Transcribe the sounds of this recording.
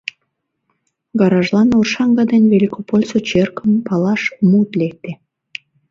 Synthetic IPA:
ɡɑɾɑʒlɑnorʃɑŋɡɑd̪enʲβelʲikopolʲsot͡ɕerkəmpɑlɑʃmut̪lek̚t̪e

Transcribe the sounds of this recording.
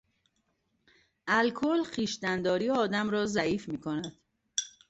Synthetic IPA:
ʔælkʰolxiːʃd̪ænd̪ɒːɾiːɒːd̪æmɾɒːzæiːfmiːkʰonæd̪̥

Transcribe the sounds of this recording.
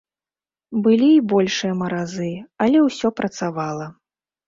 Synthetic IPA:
bɨlʲiːbɔlʲʂɨjɐmɐɾazɨɐlʲɛwsʲɔpɾʔɐt̪savalˠɐ

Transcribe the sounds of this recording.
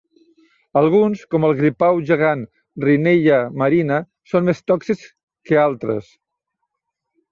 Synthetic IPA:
əlˠɣ̞unskɔməlˠɣɾipawʒəɣ̞an | rineʎəməɾinə | sonmest̪ɔksis | kəalˠt̪ɾə̰s

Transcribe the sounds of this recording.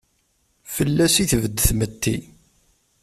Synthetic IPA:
fəlːæsiθəvəd̪ːθmət̪ːi

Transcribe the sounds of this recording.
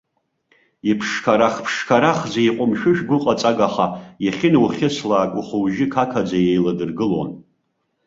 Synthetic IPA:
ipʰʂkʰaɾaχpʰʂkʰaɾaχzeiqʷʼʊmʃᶣʊʃᶣɡʷʊqʼat͡sʼaɡaχajaχʲɪnuχʲɪsʰlaːkʷʼʊχuwʒɪkʰakʰad͡zajejladɨrɡɨlo̰n

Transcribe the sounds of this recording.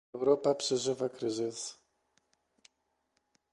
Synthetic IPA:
wɾɔpapʂɛʐɘvakɾɘzɘs

